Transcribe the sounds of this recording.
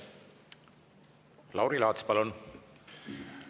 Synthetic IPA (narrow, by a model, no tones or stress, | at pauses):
lʔɑwɾilɑːt̪spɑlun